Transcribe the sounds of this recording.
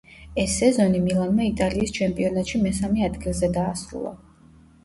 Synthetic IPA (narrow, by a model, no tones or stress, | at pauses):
ɛsːɛzɔnimilˠanmait̪ʼaliːst͡ʃʰɛmpʼiɔnat̪ʃimɛsamɛad̪ɡilˠzɛd̪aːsɾṵlˠa̰